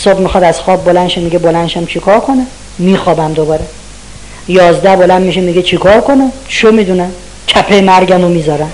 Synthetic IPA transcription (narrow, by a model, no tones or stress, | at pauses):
sɒːbmixɒd̪æz̥xɒːb̚ːolænʃemiɡebolænʃæmt͡ʃʰikʰɒɾkʰone | miːxɒːbæmd̪obɒːɾe | jɒːzd̪æhbolæmːiʃemiɡet͡ʃʰikʰɒːɾkʰoneʃomid̪unæm | cʰæpʰemæɾɟʲæmomiːzɒːɾæm